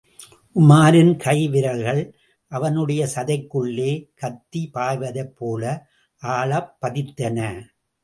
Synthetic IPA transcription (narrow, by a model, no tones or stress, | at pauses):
ʔʊmaːɾɪnkʰɐɪʋɪɾɐlɣɐɭ | ʔɐʋɐnɯɽɐjɐsɐðɐɪkːɯɭːeːkɐt̪ːipaːjʋɐðɐɪpːoːlɐ | ʔaːɭɐpːɐðɪt̪ːɐnɐ